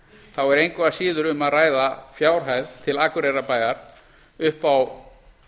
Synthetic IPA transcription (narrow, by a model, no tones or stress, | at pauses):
θawɛɾejŋkasiːðʏɾʏmaðraːjðafjaːwɾ̥ɦajðt̪ʰɪlakʏɾɛjrapaːjðaɾ̥ | ʏhpaw